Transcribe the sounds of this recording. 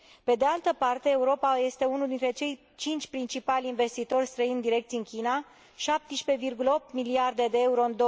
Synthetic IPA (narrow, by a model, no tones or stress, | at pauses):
pe̞d̪e̞alt̪əpart̪e̞ːuɾo̞paje̞st̪e̞unuld̪int̪ɾe̞t͡ʃe̞j | t͡ʃint͡ʃʲpɾint͡ʃipalʲinve̞st̪it̪o̞rʲst̪ɾəind̪iɾe̞k̚t̪siɨnkʲina | ʃap̚t̪iʃpe̞virɡuləo̞p̚t̪miliard̪e̞d̪e̞euɾo̞ɨnd̪o